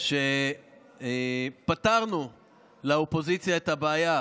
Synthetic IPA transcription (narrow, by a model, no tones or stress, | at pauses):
ʃe | pat̪aʁnu | laopo̞zit͡sjaet̪habeaja